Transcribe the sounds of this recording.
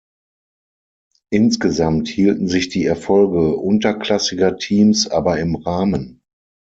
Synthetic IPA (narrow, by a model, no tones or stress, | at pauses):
ʔɪnsɡ̥əzamthiːltn̩zɪçd̥iːɛɐfɔlɡəʔʊntɐkl̥asɪɡɐtʰiːmsʔaːbɐɪmʁaːmən